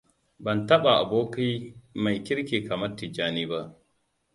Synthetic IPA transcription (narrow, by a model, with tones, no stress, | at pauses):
bɐ˨ntɐ˦ɓa˨ʔa̰˨boː˦ki˦ma˨jkʲɪ˦ɾkʲeː˨ka˨mɐ˦rti˨d͡ʒaː˦niː˦ba˦ʔ